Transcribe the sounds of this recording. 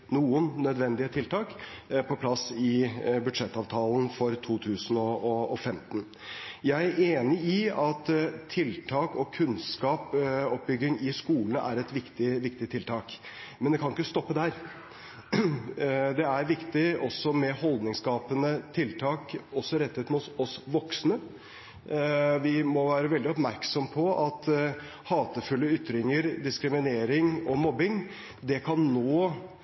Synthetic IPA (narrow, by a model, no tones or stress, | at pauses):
nuːənːœd̪ʋɛnd̪ɪət̪ʰɪlt̪ʰɑːk | pʰɔpʰlɑsɪbʉd̪ʂɛt̪ːɑːʋt̪ʰɑːln̩fɔɾt̪ʰuːt̪ʰʉːsənɔɔːfɛmt̪n̩ | jæɪæɾeːnɪɪɑt̪ʰɪlt̪ʰɑːkɔkʰʉnskɑːpɔp̚bʏɡɪŋɪskuːlənæ̰ɾɛt̪ʋɪkt̪ɪʋɪkt̪ɪt̪ʰɪlt̪ʰɑːk | mɛnd̪ɛkʰɑnɪkːəst̪ɔpːəd̪æɾ | d̪ɛæɾʋɪkt̪ɪʔɔsɔmɛhɔld̪nɪŋskɑːpənət̪ʰɪlt̪ʰɑːkɔsːɔɾɛt̪ːət̪mʊt̪ɔsʋɔksnə | ʋɪmɔʋæːɾəʋɛld̪ɪɔpmæɾksɔmpʰɔʔɑt̪ | hɑːt̪əfʉlːəʏt̪ːɾɪŋəɾd̪ɪskɾɪmɪneːɾɪŋɔmɔbɪŋ | d̪ɛkʰɑnnoː